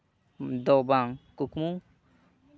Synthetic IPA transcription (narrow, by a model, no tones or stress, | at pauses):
dobaŋkukmu